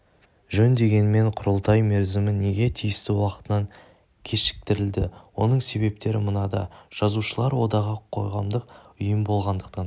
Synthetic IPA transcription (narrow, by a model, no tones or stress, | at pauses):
ʒɵnd̪e̞ɡʲe̞nɪme̞ɴqʰʊɾəlˠt̪ɑjme̞ɾzɪmɪne̞ɡʲe̞t̪ʰijɪst̪ɪwɑqət̪ənɑŋ | kʲʰe̞ʃɪ̥k̚t̪ɪɾɪld̪ɪwo̞nəɴse̞βe̞p̚t̪e̞ɾɪmənɑd̪ɑ̰ʒ̥ɑzuʃəlˠɑɾwo̞̰d̪ɑʁɑqʰːo̞̰jʁɑmd̪əq̚ʊjəmbo̞lˠʁɑnd̪əq̚t̪ɑn